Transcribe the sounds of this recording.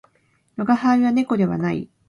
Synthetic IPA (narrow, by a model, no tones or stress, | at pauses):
noɡahaβane̞ko̞d̪e̞βa̰naḭ